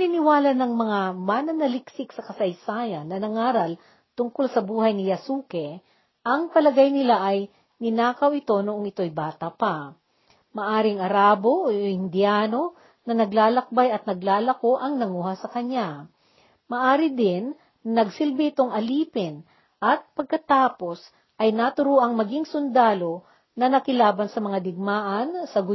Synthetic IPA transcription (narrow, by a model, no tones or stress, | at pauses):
ninɪwaːlɐnɐŋmɐŋamanɐnɐlɪksɪk̚sɐkɐsɐjsaːjɐnːɐnɐŋaːɾɐl | t̪ʊŋkolsɐbuːhɐjnɪjɐsuːkɛ | ʔɐŋpɐlɐɡajnɪlaʔɐj | nɪnaːkɐwɪt̪o̞noʔoŋɪt̪o̞jbaːt̪ɐpa | mɐʔaːɾɪŋɐɾaːbo̞ʔoɪnd̪ɪjaːno̞ | nɐnɐɡlaːlɐk̚bajɐt̪̚nɐɡlaːlɐko̞ʔɐŋnɐŋuːhɐsɐkɐɲja | mɐʔaːɾɪd̪ɪn | nɐɡsɪlbɪʔɪt̪o̞ŋʔɐliːpɛn | ʔɐt̪̚pɐɡ̚kɐt̪aːpo̞s | ʔɐjnat̪ʊɾuːʔɐŋmɐɡɪŋsʊnd̪aːlo̞ | nɐnɐkɪlaːbɐnsɐmɐŋad̪ɪɡ̚maːʔɐnsɐɡʊ